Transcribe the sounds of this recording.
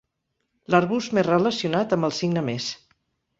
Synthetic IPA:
ləɾβust̪merrələsijunat̪əmbəlˠsiɡnəmes

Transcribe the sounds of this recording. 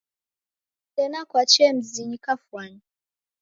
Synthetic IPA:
tɛnakwat͡ʃɛm̩ziɲikafwaɲi

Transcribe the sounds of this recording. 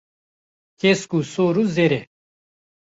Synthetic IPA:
keskusoːɾuzeɾe

